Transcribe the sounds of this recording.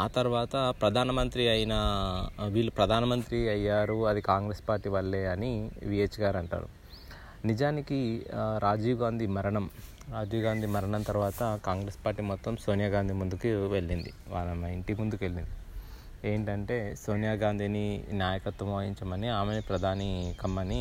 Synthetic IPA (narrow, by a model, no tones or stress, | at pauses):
aːt̪ɐɾʋaːt̪ɐpɾɐd̪ʱaːnɐmɐnt̪ɾiɐjinɐ | ʋiːɭːupɾɐd̪ʱaːnɐmɐnt̪ɾiɐjːaːɾuɐd̪ikaːŋɡɾeːspaːɾʈːiːʋɐɭːeːɐniʋieːt͡ʃɡaːɾɐɳʈa̰ːɾṵ | nid͡ʒaːnikiɾaːd͡ʒiːʋɡaːnd̪ʱimɐɾɐɳɐm | ɾaːd͡ʒiːʋɡaːnd̪ʱimɐɾɐɳɐnt̪ɐɾuʋaːt̪ɐkaːŋɡɾeːspaːɾʈːiːmɔt̪ːɐmso̞ːnjaːɡaːnd̪ʱimund̪ukuʋe̞ɭːind̪ḭ | ʋaːlɐmɐiɳʈimund̪uke̞ɭːind̪i | e̞ːɳʈɐɳʈe̞ːso̞ːnjaːɡaːnd̪ʱininjaːjɐkɐt̪ʋɐmoːjiɲt͡ʃɐmɐniaːmenipɾɐd̪ʱaːnikɐmːɐni